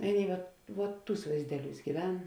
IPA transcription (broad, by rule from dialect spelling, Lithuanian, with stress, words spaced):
ˈɑːˌnʲeːɪ ʋɐt ʋuɔt ˈtuːs ʋɐɪzʲˈdʲæːˌlʲuːs ɡʲiːˈʋʲɛn